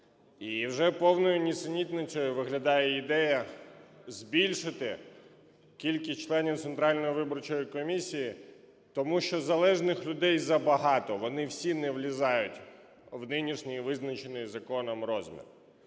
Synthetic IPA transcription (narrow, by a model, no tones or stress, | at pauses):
iwʒɛpɔwnɔjʊnʲit̪sɪnʲit̪ʲnɪt͡sʲɔjʊʋɪɦlʲɐd̪ɑjɛid̪ɛjɐ | zʲbʲilʲʃɪt̪ɪ | kʲilʲkɪsʲt͡ʃlˠɛnʲiwt̪sent̪ɾɑlʲnɔjiʋɪbɔrt͡ʃɔjikɔmʲisʲiji | t̪ɔmuʃt͡ʃɔzɐlˠɛʒnɪxlʲʊd̪ɛjzɐbɐɦɑt̪ɔʋɔnɪwsʲinɛʋlʲizɑjʊtʲ | wnɪnʲiʃnʲɪjiʋɪznɐt͡ʃenɪjzɐkɔnɐmrɔzʲmʲḭr